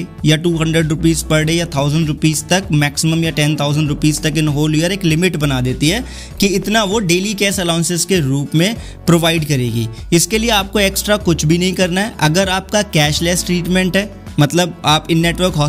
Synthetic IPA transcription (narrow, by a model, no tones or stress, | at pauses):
jaʈuːɦɐ̃ɳɖɾəɖɾʊpiːzpɐɾɽejat̪ʰaːʊzə̃ɳɖɾʊpiːzt̪ɐkmɛːksɪməmjaʈɛ̃nt̪ʰaːʊzə̃ɳɖɾʊpiːzt̪ɐkɪnɦoːlujəɾeːklɪmɪʈbɐnaːd̪eːt̪iɦɛː | kiɪt̪naʋoɖeːlikɛːsɛlaːʊ̃nsɪzkeɾuːpmẽ | pɾoːʋaːɪɖkɐɾḛːɡḭːɪskelieaːp̚koeːksʈɾakʊt͡ʃʰbʱinɐɦĩkɐɾnaɦɛʔɐɡəɾaːp̚kakɛːʃlɛːsʈɾiːʈmɛ̃ɳʈɦɛː | mɐt̪ləbaːpɪnːeːʈʋəɾkɦɔː